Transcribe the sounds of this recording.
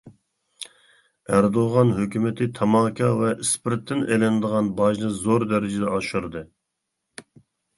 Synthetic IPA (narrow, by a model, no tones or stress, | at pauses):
æɾd̪oʁɑnɦøkʲymɪt̪ʰɪt̪ʰɑmɑːkʰʲɑvɛʔispɪɾt̪ʰːɪnelɛnd̪əʁɑnbɑʒnɨzoɾd̪ɛɾɪd͡ʒɪd̪ɛɑʃuɾɨd̪ɨ